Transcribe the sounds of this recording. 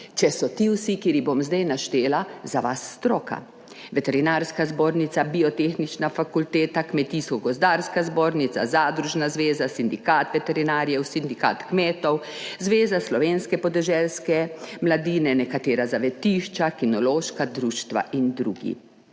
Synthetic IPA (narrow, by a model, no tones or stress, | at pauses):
t͡ʃɛsɔt̪iwsikiːɾibomzd̪ajnaʃt̪eːlazaʋasːt̪ɾoːka̰ | ʋɛt̪ɛɾinaːɾskazboːɾnit̪sabiɔt̪exnit͡ʃnafakult̪eːt̪akmɛt̪iskɔɡɔzd̪aːɾskazboːɾnit̪sa̰zaːd̪ɾuʒnazʋeːzasind̪ikat̪ʋɛt̪ɛɾinaːɾjɛwsind̪ika̰ːt̪kmeːt̪ɔw | zʋeːzaslɔʋeːnskɛpɔd̪ɛʒɛlskɛmlad̪iːnɛnɛkat̪eːɾazaʋɛt̪iːʃt͡ʃakinɔloːʃkad̪ɾuːʃt̪ʋa̰ʔind̪ɾṵːɡḭ